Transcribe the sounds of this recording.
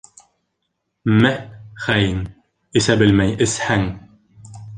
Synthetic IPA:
mæχæjɘŋ | ɘ̆sæbɘlmæjɘshæŋ

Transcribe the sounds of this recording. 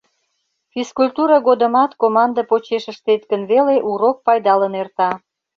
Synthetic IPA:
fiskulʲt̪uɾɑɣod̪ə̆mɑt̪komɑnd̪əpot͡ɕeʃəʃt̪et̪kənβeleʔuɾok̚pɑjd̪ɑlənert̪ɑ

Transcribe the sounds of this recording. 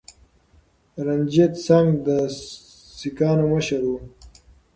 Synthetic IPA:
ɾanʲd͡ʒet̪saŋɡd̪ə | sikɑːnoməʃaɾwu

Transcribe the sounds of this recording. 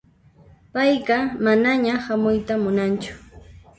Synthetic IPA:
pajɢɑmanaɲahamʊjt̪amʊnant͡ʃʊ̥

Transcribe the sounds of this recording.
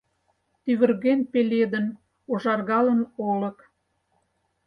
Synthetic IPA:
t̪yβə̆rɣenpelʲed̪ən | oʒɑrɣɑlənolə̆k

